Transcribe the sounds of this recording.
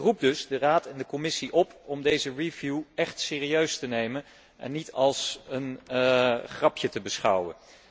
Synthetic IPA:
rup̚dɵzdəraːtɛndəkɔmɪsiʔɔpɔmdejzərivjuɛχtsɪːriøɥstənejmən | ɛ̰nːitɑlˠsən | χrɑpʰjətəbəsχɑwə̰n

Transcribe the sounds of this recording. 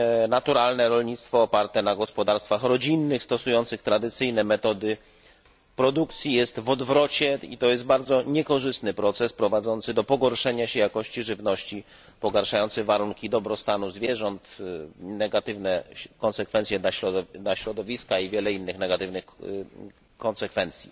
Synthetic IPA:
nat̪uɾalnɛɾɔlɲit̪st̪fɔːpaɾt̪ɛnaɡɔspɔd̪aɾst̪faxɾɔd͡ʑinːɘxst̪ɔsujɔnt̪sɘxt̪ɾad̪ɘt̪sɘjnɛmɛt̪ɔd̪ɘ | pɾɔd̪ukt̪sʲjijɛst̪vɔd̪vɾɔt͡ɕɛḭt̪ɔjɛst̪baɾd̪zɔɲɛkɔʐɘst̪nɘpɾɔt̪sɛspɾɔvad̪zɔnt̪sɘd̪ɔpɔɡɔɾʂɛɲaɕɛjakɔɕt͡ɕiʐɘvnɔɕt͡ɕi | pɔɡaɾʂajɔnt̪sɛvaɾuŋkʲid̪ɔbɾɔst̪anuzvʲjɛʐɔnt̪nɛɡat̪ɘvnɛkɔnsɛkfɛnt̪sʲjɛaɔnaɕɾɔd̪ɔvʲiskaivʲjɛlɛinːɘxnɛɡat̪ɘvnɘx | kɔnsɛkfɛnt̪sʲjḭ

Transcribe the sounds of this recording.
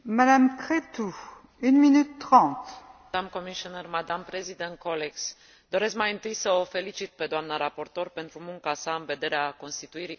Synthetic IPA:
mad̪amkχet̪u | ynminytt̪ːχɑ̃t̪ | d̪amkomiʃionermad̪ampɾezid̪ent̪̚kʰoleks | d̪o̞ɾe̞skmajɨnt̪ɨjsəofe̞lit͡ʃit̪̚pe̞d̪oamnaɾapo̞rt̪o̞rpe̞nt̪ɾumuŋkasaɨnve̞d̪e̞ɾeako̞nst̪it̪uiɾi

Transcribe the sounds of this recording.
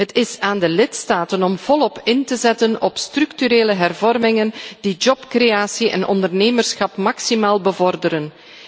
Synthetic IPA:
ɦətɪsaːndəlɪtstaːtənɔmv̥ɔlɔpɪntəzɛtənɔpstrʏktyɾeːləɦɛrvɔrmɪŋəndid͡ʒɔpkreaːsiʔɛ̰nʔɔ̰ndərneːmərsxɑpmɑksimaːlˠbəvɔrdəɾən

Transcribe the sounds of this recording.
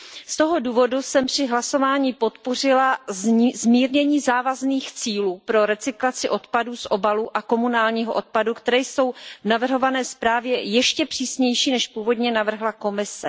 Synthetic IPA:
st̪o̞ɦo̞duːvo̞dusɛmpr̥ɪɦlaso̞vaːɲipo̞t̪po̞rɪlazzmiːɾɲɛɲiːzaːvazniːxt͡siːluːpɾo̞ɾɛt͡sɪklat͡sɪʔo̞t̪padusʔo̞baluʔako̞munaːlɲiːɦoʔo̞t̪̚padukt̪ɛɾɛːjso̞wvnavr̩ɦo̞vanɛːspɾaːvjɛjɛʃcɛpr̝̥iːsɲɛjʃiːnɛʃpuːvo̞dɲɛnavr̩ɦlako̞mɪsɛ

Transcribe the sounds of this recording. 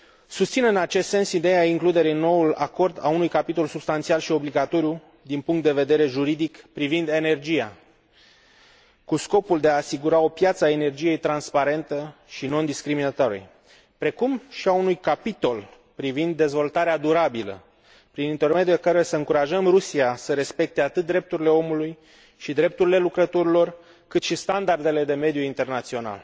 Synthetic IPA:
sust̪sinɨnat͡ʃest̪se̞nsid̪ejaiŋklud̪e̞ɾinːo̞ula̰ko̞rd̪a̰unujkapit̪o̞lsubst̪ant̪sialʃio̞bliɡat̪o̞ɾju | d̪inpuŋkt̪d̪e̞ve̞d̪e̞ɾe̞ʒuɾid̪ikpɾivind̪e̞ne̞rd͡ʒija̰ | kusko̞puld̪e̞aːsiɡuɾao̞pjat̪səae̞ne̞rd͡ʒije̞jt̪ɾanspaɾe̞nt̪əʃino̞nd̪iskɾiminat̪aɾḛj | pɾe̞kumʃiaunujkapit̪o̞l | pɾivind̪ːe̞zvo̞lt̪aɾead̪uɾabilə̰ | pɾinint̪e̞rme̞d̪jukəɾeesəɨŋkuɾaʒəmrusiasəɾe̞spe̞k̚t̪e̞at̪ɨt̪̚d̪ɾe̞p̚t̪uɾile̞o̞muluj | ʃid̪ɾe̞p̚t̪uɾile̞lukɾət̪oɾilo̞r | kɨt̪ʃist̪and̪ard̪e̞le̞d̪e̞me̞d̪juint̪e̞rnat̪sio̞na̰l

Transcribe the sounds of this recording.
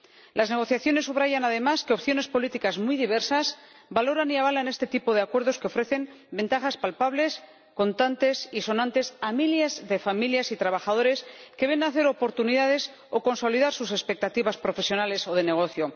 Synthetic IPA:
lazneɣ̞o̞θjaθjo̞nesːuβɾaʝanaðe̞maskeo̞pθjo̞ne̞spo̞lit̪ikazmujðiβ̞e̞ɾsas | balo̞ɾaniaβ̞alane̞st̪e̞t̪ipo̞ðeakwe̞ɾð̞o̞skeo̞fɾe̞θe̞m | be̞nt̪aχaspalpaβle̞s | ko̞nt̪ant̪e̞siso̞nãnt̪e̞samiljazðe̞familjasit̪ɾaβaxaðo̞ɾe̞ske̞β̞e̞naːθe̞ɾo̞po̞ɾt̪uniðaðe̞s | o̞ko̞nso̞liðaɾsuse̞spe̞k̚t̪at̪iβaspɾo̞fe̞sjo̞nale̞so̞ð̞e̞ne̞ɣ̞o̞θjo̞

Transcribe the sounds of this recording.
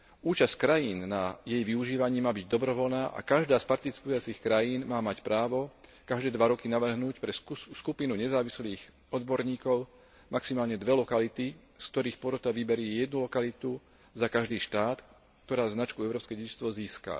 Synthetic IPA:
uːt͡ʃasckɾajiːnnajɛjʋiuʒiːʋaɲiːmaːbiɟd̪ɔbɾɔʋɔlnaːʔa̰kaʒd̪aːspaɾt̪it͡si̥pujat͡sixkɾajiːnmaːmacpɾaːʋɔkaʒd̪ɛːd̪ʋaɾɔkinaʋr̩ɦnuːcpɾɛskupinuɲɛzaːʋisliːx | ɔd̪bɔɾɲiːkɔʊ | mʔaksimaːlɲɛd̪ʋɛlɔkalit̪i | skt̪ɔɾiːxpɔɾɔt̪aʋibɛɾɪɛːjɛd̪̚nulɔkalit̪u | zakaʒd̪iːʃt̪aːt̪ | k̚t̪ɔɾaːznat͡ʃkuɛʊɾɔːpskɛɟɛɟist̪ʋɔziːska̰

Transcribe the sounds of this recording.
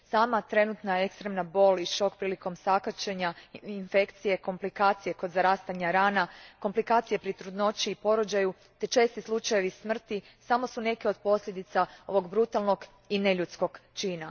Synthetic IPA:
saːmat̪ɾe̞nut̪nae̞kst̪ɾe̞mnabo̞liʃo̞kpɾiːliko̞msakat͡ʃe̞ɲainfe̞kt̪sije̞ko̞mplikaːt̪sije̞kod̪zaɾaːst̪aɲaɾaːnako̞mplikaːt̪sijepɾit̪ɾud̪no̞t͡ʃiːpo̞ɾod͡ʒaju | t̪e̞t͡ʃe̞ːst̪islˠut͡ʃaje̞ʋismr̩t̪i | samo̞sune̞keo̞d̪̚po̞slʎʲed̪it̪sao̞̰ʋo̞ɡbɾut̪alˠno̞ɡ | ine̞ʎut̪sko̞ɡt͡ʃiːna

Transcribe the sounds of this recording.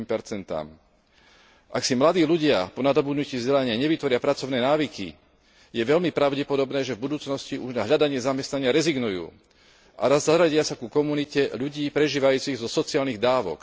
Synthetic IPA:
mpɛɾt͡sɛnt̪a̰ːm | ʔaksimlad̪iːʎuɟɪapɔnad̪ɔbud̪nuciːzɟɛlaɲɪaɲɛʋit̪ʋɔɾɪapɾat͡sɔʊnɛːnaːʋikḭ | jɛʋɛʎmipɾaʊɟɛpɔd̪ɔbnɛːʒɛvbud̪uːt͡snɔsciʔuʒnaɦʎad̪aɲɪɛzamɛst̪naɲɪaɾɛziɡnujṵː | ʔa̰ɾazaɾaɟɪasakukɔmunicɛʎuɟiːpɾɛʒiːʋajuːt͡siɣzɔsɔt͡siaːlniɣd̪aːʋɔ̰k

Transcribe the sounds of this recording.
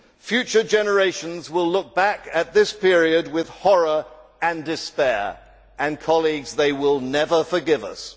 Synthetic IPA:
fjʉt͡ʃə˞d͡ʒɛnə˞eɪʃɨ̃n̩zwɪlʊk̚b̥ækɨt̪̚ðɪspʰɪɹiɨd̚wɪð̥hɔɹə˞ | ɨ̃ndɨspɛɹ | ɨ̃nkʰɑlˠiɡzðeɪwɪlˠnɛvə˞fə˞ɡɪvʌ̰s

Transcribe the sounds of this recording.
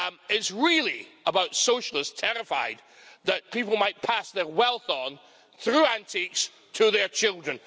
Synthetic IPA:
ɪtsɹilˠiəbaʊtsoʃəl̩ˠɪstʰɛɹɨfa̰ɪd̪̚ | ðəʔ̚pʰipl̩ˠmaɪʔ̚pʰasðə˞wɛlˠθn̩ | θɹʉæ̃ntʰiks | tʰəðə˞t͡ʃʰɪlˠdɹə̃n

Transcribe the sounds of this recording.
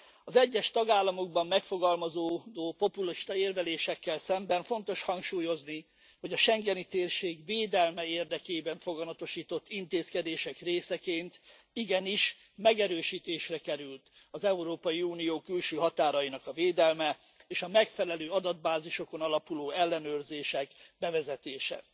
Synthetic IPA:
ɒzɛɟːɛʃt̪ɒɡaːlːɒmo̞ɡ̚bɒmːɛkfo̞ɡɒlmɒzoːd̪oːpo̞puliʃt̪ɒeːrvɛleːʃɛkːɛlsɛmbɛɱfo̞nt̪o̞ʃhɒŋkʃuːjo̞zni | ho̞ɟɒʃɛŋɡɛnit̪eːrʃeːɡveːd̪ɛlmɛeːrd̪ɛkeːbɛɱfo̞ɡɒnɒt̪o̞ʃiːt̪o̞t̪ːint̪eːskɛd̪eːʃɛkreːsɛkeːnt̪ | iɡɛniʃ | mɛɡɛɾøːʃiːt̪eːʃrɛkɛɾylt̪ | ɒzɛuɾoːpɒjiuːnijoːkylʃøːɦɒt̪aːɾɒjinɒkɒveːd̪ɛlmɛ | eːʃɒmɛkfɛlɛløːɒd̪ɒd̪̚baːziʃo̞ko̞nɒlɒpuloːɛlːɛnøːrzeːʃɛkbɛvɛzɛt̪eːʃɛ̰

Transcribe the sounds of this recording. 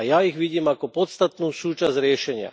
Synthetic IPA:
jaiɣʋiɟiːmakɔpɔt̪st̪at̪nuːsuːt͡ʃazɾɪɛʃɛɲɪa̰

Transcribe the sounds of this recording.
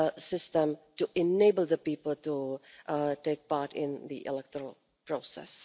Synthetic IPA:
sɪstə̃mtuʔɪneɪbəl̩ˠd̪əpipəl̩ˠtu | teɪk̚paɹtɪ̃nðḭʔɪ̰lɛk̚təəl̩ˠ | pɹoːsɛ̰s

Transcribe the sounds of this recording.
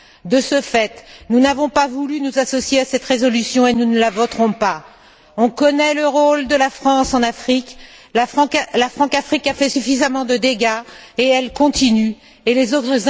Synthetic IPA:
d̪əsəfɛt̪nunavɔ̃pavulynuzasɔsjeasɛt̪ʁezɔlysjɔ̃enunəlavɔt̪χɔ̃pa | ɔ̃kɔnɛləʁold̪əlafχɑ̃sɑ̃nafχik | lafχɑ̃lafχɑ̃kafχikafɛsyfizamɑ̃d̪əd̪eɡaeɛlkɔ̃t̪iny | elezot̪χəz

